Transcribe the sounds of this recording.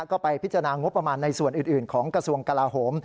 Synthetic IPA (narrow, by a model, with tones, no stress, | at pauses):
kɔː˥˩pa˧jpʰi˦˥t͡ɕːa˧a˧aː˧ŋo˦˥pːɾa˧maː˧nːa˧jsu˨˩ənʔɯː˨˩nʔɯː˨˩nkʰɔː˩˦ŋkɾa˧su˧əŋka˧laː˧ɦoː˩˦m